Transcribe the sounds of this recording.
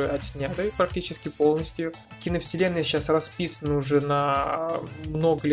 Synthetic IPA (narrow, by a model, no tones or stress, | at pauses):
ɐt̪sʲnʲat̪ɨpɾɐk̚tʲit͡ɕɪskʲɪpo̞lˠnəsʲt̪ʲjʊ | kʲinəfʲsʲɪlʲe̞nːəjɕːasrɐspʲisənəʊʐɛnɐ | mno̞ɡəlʲ